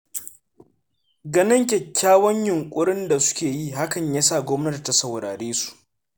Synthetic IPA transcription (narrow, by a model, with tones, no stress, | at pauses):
ɡɐ˨nɪ˦ŋkʲɛ˨kʲːaː˦wɐ˦ɲjʊ˨ŋkʷʼʊ˦ɽɪ˦nda˨sʊ̥˦kʲeː˨ji˦ɦa˦kɐ˨ɲja˦sa˦˨ɡʷɔ˦mnɐ˦da˨ta˨sɐ˨wɽa̰ː˨ɽeː˦su̥˨ʔ